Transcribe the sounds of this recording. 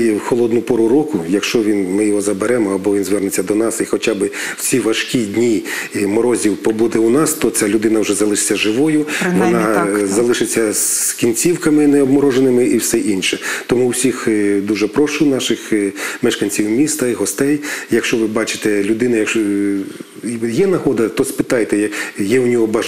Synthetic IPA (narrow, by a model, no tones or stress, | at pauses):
jwxɔlˠɔd̪nʊpɔɾʊɾɔkʊjɐkʃt͡ʃɔʋʲinmɪjɔɦɔzɐbeɾɛmɔɐbɔʋʲinzʋɛrnɪt͡sʲːɐd̪ɔnɑsixɔt͡ʃabɪw̥t͡sʲiʋɐʃkʲid̪ʲnʲimɔɾɔzʲiwpɔbud̪ɛunɑst̪ɔt͡sʲalʲʊd̪ɪnɐwʒɛzɐlˠɪʃɪ̥t͡sʲːɐʒɪʋɔjʊʋɔnɑzɐlˠɪʃɪt͡sʲːɐskʲinʲt͡sʲiwkɐmɪnɛɔbmɔɾɔʒenɪmɪʔiwsɛʔinʃɛt̪ɔmuːsʲixd̪uʒɛpɾɔʃʊnɑʃɪxmɛʃkɐnʲt͡sʲiwmʲist̪ɐiɦɔst̪ɛjjɐkʃt͡ʃɔʋɪbɑt͡ʃɪ̥t̪ɛlʲʊd̪ɪnɐjɐk | jɛnɐɦɔd̪ɐt̪ɔspɪt̪ɑjt̪ɛjjɛwʊnʲɔɦɔbɐ